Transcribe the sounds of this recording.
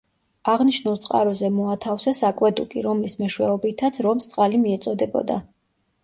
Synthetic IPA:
aʁniʃnulˠt̪sʼqʼa̰ɾɔzɛmɔat̪ʰafsasakʼwɛd̪ukʼiɾɔmlismɛʃwɛɔbit̪ʰat̪sʰɾɔmst̪sʼqʼalimiɛt̪sʼɔd̪ɛbɔ̰d̪a̰

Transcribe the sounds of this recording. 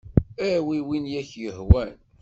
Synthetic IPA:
æwiwinjæçjəhwæn

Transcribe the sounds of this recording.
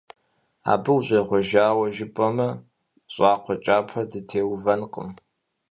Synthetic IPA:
a̰ːbɨwɕʼeːʁʷɔʒaːwɐʒɪpʼɐmɐ | ɕʷʼɑːqʷʰɔt͡ʃʼaːpʰɐdɨtʰeːwvɐnqʼə̰m

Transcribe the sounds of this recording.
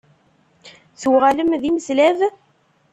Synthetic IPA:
θuwʁaləmðiməslæv

